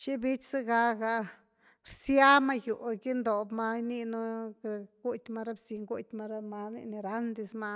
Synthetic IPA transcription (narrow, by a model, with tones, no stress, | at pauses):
t͡ʃi˦bi˦t͡ʃsa˦ɡa˧ɡa˧ | ɾsja˦ma˦˧ju˨ʔɡi˦nd̪o˨bma˧ni˦˧nu˦˧ | ɡu˦t̪ʲma˧ɾa˦bsi˧˨ŋɡu˦t̪ʲma˧ɾa˦ma˧nḭ˧ni˧ɾa˦nd̪i˧sma˧